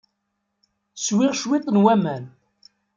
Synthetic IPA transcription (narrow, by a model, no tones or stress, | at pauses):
swɪʁʃwit̪ˤːnwæmæn